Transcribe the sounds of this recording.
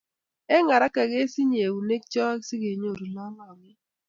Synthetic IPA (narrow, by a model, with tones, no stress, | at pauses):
ɛ˦ŋa˨ɾa˦ka˨ɡe˦si˦ɲ˦e˨wu˨ne˦k̚t͡ʃɔ˦a˦ksɪ˦ɡe˨ɲo˦˨ɾu˨lɔ˦ŋɔ˨ŋɪ˦